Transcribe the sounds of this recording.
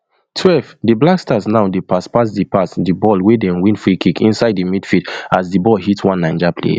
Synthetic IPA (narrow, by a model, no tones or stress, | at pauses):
tʰwɛlvdiblakstasnaʊdepaspas̬dipʰasdibɔlwedɛ̃nwĩnfɹikʰikḭ̃nsaɪdimidfitazdibɔlɦitwãnːãɪ̃nd͡ʒapʰlḛ